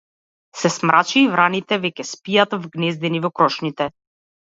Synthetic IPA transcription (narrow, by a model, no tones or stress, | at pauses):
sɛsmɾʔat͡ʃiːvɾanit̪ɛvɛkʲɛspijat̪vɡnɛzd̪ɛnivɔkɾɔʃnit̪ɛ